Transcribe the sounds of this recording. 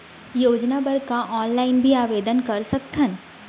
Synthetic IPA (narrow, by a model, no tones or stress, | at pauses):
joːd͡ʒnabɐɾkaʔɔːnlaːɪnbʱiaːʋeːd̪ənkɐɾsɐk̚t̪ʰən